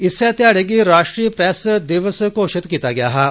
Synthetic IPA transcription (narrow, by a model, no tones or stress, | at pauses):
ɪsːɛt̪jaːɽeɡiɾaːʃʈɾiːpɾɛːsd̪iʋəskoːʃɪt̪kiːt̪aɡɐja̰ːɦa